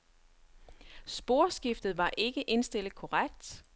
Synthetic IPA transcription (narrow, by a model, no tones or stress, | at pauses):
sb̥o̝ɐsɡ̥ifd̥ð̩ˠʋɑ̈ʔe̝ɡ̥əʔe̝nsd̥e̝l̰ð̩ˠkʰɔʁaɡ̥d̥